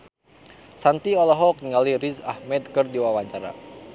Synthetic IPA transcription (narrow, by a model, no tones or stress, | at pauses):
sant̪iɔlɔɦɔk̚niŋaliɾisa̰hmɛd̪kɨrdiwawaɲt͡ʃaɾa̰